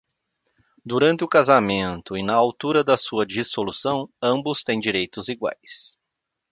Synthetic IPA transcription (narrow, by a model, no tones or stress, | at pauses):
d̪uɾɐ̃nt̪ɪʊkazamẽnt̪ʊɪnɐawt̪uɾɐd̪ɐsuɐd͡ʒisolusɐ̃w̃ɐ̃mbʊst̪ẽj̃d͡ʒiɾejt̪ʊziɡwa̰js